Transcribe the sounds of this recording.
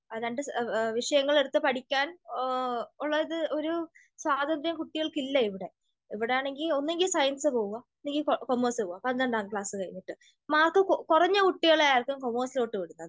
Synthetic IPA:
ɐðaːɳɖɨʋiʂɐjɐŋːɐɭeɽut̪ːɨpɐʈikʲːaːn | uɭːɐðɐðɨo̞ɾu | swaːd̪ɐnd̪jɐmkuʈːiɣɐɭkilːɐiʋiɽe̞ | iʋiɽejaːɳe̞ŋɡilo̞nːeŋɡilsɐjɐnsɨpo̞ːɣuɣɐnːeŋɡikomːoːsɨpoːuɣɐpɐnd̪ɐɳɖaːŋkɭaːsɨkɐɻḭnːiʈːɨ | maːrkɨkurɐɲːɐkuʈːiɣɐɭajaːrkɨmkomːoːslo̞ːʈːɨpeɽunːɐðɨ

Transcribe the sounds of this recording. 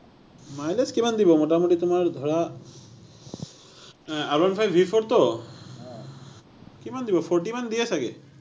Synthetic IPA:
majleskimand̪ibɔmoʈamuʈit̪umaɾd̪ʱɔɽa | aɾbanfʰajbʱipʰɔɾt̪ɔ | kimand̪ibɔpʰɔɾʈimand̪iesaɡḛ

